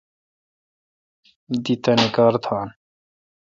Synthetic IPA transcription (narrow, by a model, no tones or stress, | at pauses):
d̪it̪ɐnekaːɾt̪ʰaːn